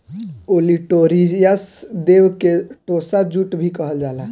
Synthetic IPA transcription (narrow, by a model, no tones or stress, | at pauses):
oliʈoɾijəsd̪eʋkeʈosad͡ʒuʈbʱikəɦəld͡ʒaːla